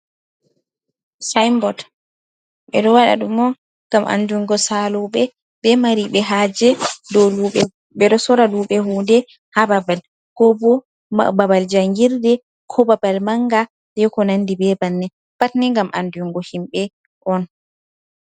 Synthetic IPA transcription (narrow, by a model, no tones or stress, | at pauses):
sajmbɔd | ɓɛ̰ɗɔwaɗa̰ɗumɔ | ŋɡamʔa̰nduŋɡɔsaluɓɛ | bɛmaɾiɓɛɦaːd͡ʒɛdɔluɓɛ | ɓɛɗɔsɔɾaluːɓɛɦuːndɛ | hababal | kɔbɔ | ma̰babald͡ʒaŋɡiɾdɛ | kʰɔbabalmaŋɡa | dɛkɔnandibɛbanːɛ | patnɛŋɡamʔanduŋɡɔhimɓɛ | ʔɔn